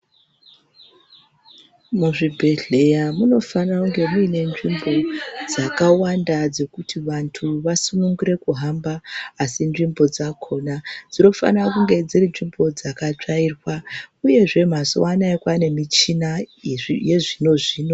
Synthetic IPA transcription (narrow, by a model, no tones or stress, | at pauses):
muʐibʱe̞ɮe̞jamuno̞fanakuŋɡe̞muine̞nʐimbo̞d͡zakawandad͡ze̞kutʰiʋantʰuʋasunuŋɡuɾe̞kuɦambaːsinʐimbo̞d͡zakʰo̞nad͡zino̞fa̰nrakuŋɡe̞d͡zirinʐimbo̞d͡zakat͡ʂairwauje̞ʐe̞m̤aso̰wanaekwane̞mit͡ʃina | jeʐino̞ʐiːno̞